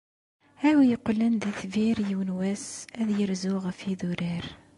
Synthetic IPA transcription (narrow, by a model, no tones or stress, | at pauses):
hæwjəqːlənðiθviɾjəwnwæsæðjəɾzʊʁəfiðuɾəɾ